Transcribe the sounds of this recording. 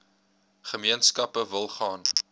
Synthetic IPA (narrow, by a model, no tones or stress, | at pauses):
χəmiənskɐpəvəlˠχɑːn